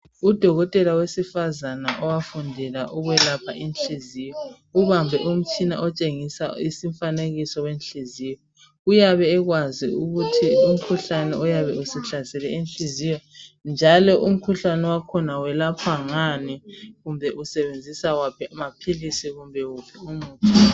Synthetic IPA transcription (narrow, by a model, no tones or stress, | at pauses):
ud̥ʱɔɣɔtʼɛlawesifazana̰ʔɔwafundʱɛlaʔuɣwɛlapʰa̰ʔinɬizijɔ | uβambʱɛʔum̩t͡ʃʰina̰ʔɔt͡ʃʼeŋisa̰isiɱfaneɣisɔwenɬizijɔ | ujaβɛːɣwaziuɣutʰium̩kʰuɬanɛɔjaβɛusɛɬazɛlɛinɬizijɔnd͡ʒʱalɔʔum̩kʰuɬanɛwakʰɔnawɛlapʰaŋaniɣumbʱɛʔusɛβend͡zʱisawapʰɛamapʰilisiɣumbʱɛwupʰɛumuːtʰu